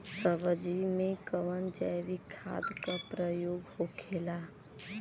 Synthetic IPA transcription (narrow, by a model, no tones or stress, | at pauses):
səbəd͡ʒimekəʋənd͡ʒajbikʰːa̰d̪kəpɾəjoɡhokʰela